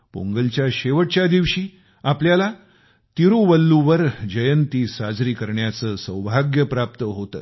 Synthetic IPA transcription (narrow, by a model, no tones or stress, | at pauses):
po̰ŋɡəlt͡ɕjaɕeʋəʈ̚t͡ɕjad̪iʋɕiː | apljala | t̪iɾuʋəlːuʋəɾd͡ʑəjənt̪iːsad͡zɾiːkəɾɳjat͡səːsəwbʱaɡjəpɾap̚t̪əɦot̪ə̰ː